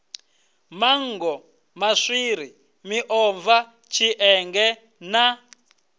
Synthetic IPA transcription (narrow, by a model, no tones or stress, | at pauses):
maŋɡɔ | maʂiɾi | miʔɔɱva | t͡ʃʰiʔɛŋɡɛ | na